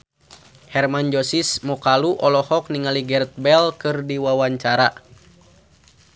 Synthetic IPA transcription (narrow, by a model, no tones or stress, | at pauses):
hɛrmand͡ʒɔsismɔkaluʔɔlɔhɔk̚niŋaliɡɛrt̪̚bɛlkɨrdiwawaɲt͡ʃaɾa